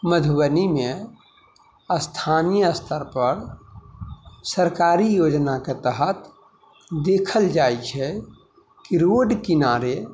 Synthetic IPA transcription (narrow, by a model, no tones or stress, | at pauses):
məd̪ʱbənimẽ | əst̪ʰanijəəst̪ʰəɾpəɾ | səɾkaːɾijod͡ʒnaket̪əɦət̪ | d̪ekʰəld͡ʒaːjt͡ʃʰɛ | kiɾoɖkinaɾe